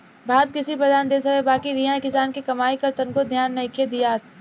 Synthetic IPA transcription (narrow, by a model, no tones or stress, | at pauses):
bʱaːd̪̚kɪsipɾɐd̪ʱaːnd̪eːs̬ɐkebaːkiɾiɦãkɪsaːnkikɐmaːikɐɾt̪ɐnkod̪ʱjaːnːɐĩkʰed̪ijaːt̪ʰ